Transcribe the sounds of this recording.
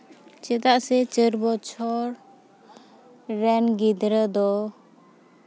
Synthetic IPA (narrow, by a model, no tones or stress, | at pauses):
t͡ʃɛt̪aʔsɛt͡ʃəɾbɔt͡ʃʰɔɾ | ɛnɡid̪ɾəd̪ɔ